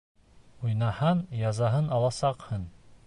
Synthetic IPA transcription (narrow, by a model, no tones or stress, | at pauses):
ujnɑhɑnjɑzɑɦɤnɑlˠɑsɑqhɤn